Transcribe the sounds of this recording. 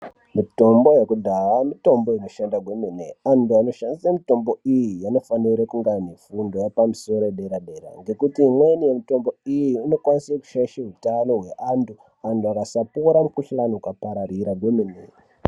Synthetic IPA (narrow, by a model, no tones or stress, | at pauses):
mito̞mbo̞je̞kudʱawamito̞mbo̞ino̞ʃandaɡʱwemeneantuano̞ʃandisamito̞mbo̞ijijano̞faniɾekuŋɡanefundo̞jepamuso̞ɾoeɗeɾaɗe̞ɾa̰ŋɡe̞kutiːmwenije̞mito̞mbo̞ijiːno̞kwanisaku̥ʃaʃeɦutano̞ɦwe̞ʔantʰu | antuakasapoɾamukuɬanoukapaɾaɾiɾaɡʱwemine